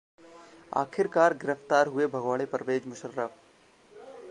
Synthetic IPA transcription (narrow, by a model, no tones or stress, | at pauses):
a̰ːkʰɪɾkaːɾɡɪɾəft̪aːɾɦʊebʱɐɡʋaːɽ̃epəɾəʋeːd͡ʒmʊʃəɾːəf